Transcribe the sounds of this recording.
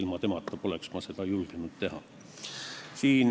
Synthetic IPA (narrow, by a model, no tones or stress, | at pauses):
ilmɑt̪e̞mɑt̪ːˑɑpo̞leksmɑse̞d̪̥ɑjulɡ̥enud̪̥t̪e̞ɦɑ̰ | siːn